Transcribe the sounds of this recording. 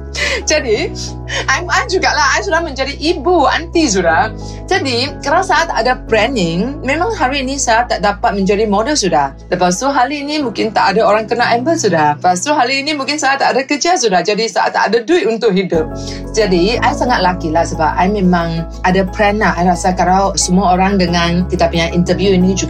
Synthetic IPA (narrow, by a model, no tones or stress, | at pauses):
d͡ʒadi | ʔajmajd͡ʒuɡaʔlaɦajsudahmə̃ɲd͡ʒadiʔːbua̰nt̪is̬uda | d͡ʒadikəɾawsaat̪aadapɾɛnɪŋmẽmãŋɦaɾiːnĩsaat̪ːaʔdapat̪̚mə̃ɲd͡ʒadimɔdəlsudah | dəpas̬t̪uɦaliinimũŋkɪnt̪aʔadaoɾaŋkənaʔɛmbəlsudahəpast̪uɦaliːnimũŋkɪnsaat̪ːaʔːdakəd͡ʒas̬udahd͡ʒadisaa̰t̪ːaadaduɪt̪unt̪ʊk̚ɦidʊp̚ | d͡ʒadiajsaŋat̪̚lakilahsəbap̚ʔajmẽmãŋ | ʔadapɾɛnlaajlasakaɾawsəmuaoɾaŋdəŋãnkit̪apuɲaʔint̪əvjuinid͡ʒu